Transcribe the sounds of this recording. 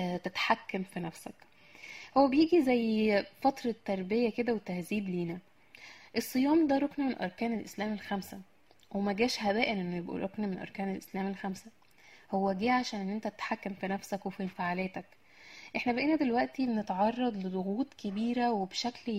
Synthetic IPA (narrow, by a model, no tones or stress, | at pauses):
t̪et̪ħakːæmfinæfsæ̰k | howːæbejiːɡizæjːfɑt̪ɾˤɑt̪ːɑɾˤbejæked̪æwet̪ːæhziːb̪liːnæ | ʔesˤːɨjɑːmd̪æɾˤoknæmenʔɑ̰ɾˤkæːnelʔeslæːmelxæmsæ | wʔemæɡæːʃhæbæːʔenʔenːʊjebʔṵɾʔoknmenʔɑ̰ɾˤkæːnelʔeslæːmelxæmsæ | howːæɡiːʕaʃæːnʔenːʔent̪æt̪e̥t̪ħakːæmfinæfsækwefilfaʕaːlæːt̪æk | ʔeħnæbeʔeːnæd̪elwæʔt̪ibnet̪ʕɑrˤːɑd̪ˤled̪ˤoɣuːt̪ˤkebiːɾæwebʃækl